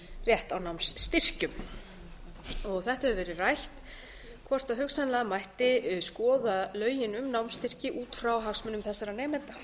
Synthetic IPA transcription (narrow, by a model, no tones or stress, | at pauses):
rjɛht̪awnawmsːt̪ɪr̥cʏm | ɔɣθɛht̪ahɛvʏvɛːɾɪrajht̪ | kʰvɔr̥t̪aɦʏksanlɛːɣamajht̪ɪʏskɔːðalœːɥjɪnʏmnawmst̪ɪr̥cɪʔuːt̪fɾawɦaxsmʏnʏmθɛsːaɾanɛːmɛnt̪a